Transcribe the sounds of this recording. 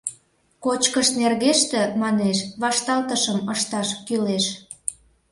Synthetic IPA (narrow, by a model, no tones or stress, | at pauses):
kot͡ɕkəʃnerɣeʃt̪ĕmɑneʃβɑʃt̪ɑlt̪əʃəməʃt̪ɑʃkyleʃ